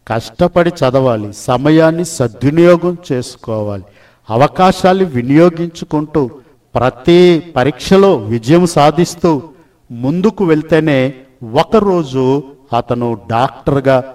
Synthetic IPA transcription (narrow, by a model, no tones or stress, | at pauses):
kɐʂʈɐpɐɽit͡ʃɐd̪ɐʋaːlisɐmɐjaːnːisɐd̪junijɔːɡɐmt͡ʃe̞ːsu̥kɔːʋaːli | ɐʋɐkaːʃaːnːiʋinijo̞ːɡiɲt͡ʃukuɳʈuː | pɾɐt̪ipɐɾiːkʂɐlo̞ːʋid͡ʒɐjɐmsaːd̪ʱist̪uː | mund̪ukuʋeɭt̪e̞ːne̞ː | ɔkɐɾo̞ːd͡ʒuɐt̪ɐnuɖaːk̚ʈɐɾɡaː